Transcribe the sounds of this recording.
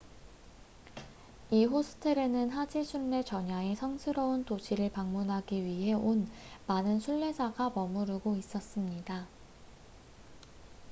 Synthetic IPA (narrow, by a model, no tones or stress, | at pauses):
iɦosʰɯ̥tʰɯɾe̞nɯnɦad͡ʑisʰunːe̞t͡ɕʌɲae̞sʰʌŋsʰɯɾʌuntod͡ʑʰiɾɯɭpaŋmunɦaɡiɥiɦe̞on | manɯnsʰuɭːe̞d͡ʑaɡamʌmuɾɯɡois͈ʌs͈ɯmɲida